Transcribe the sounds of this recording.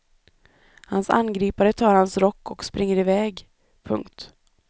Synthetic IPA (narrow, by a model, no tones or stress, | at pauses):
hansa̰nɡɾiːpaɾət̪ʰɑːɾhansɾɔkːɔkspɾʔɪŋːəɾɪvɛːɡ | pʰɵ̰ŋkt̪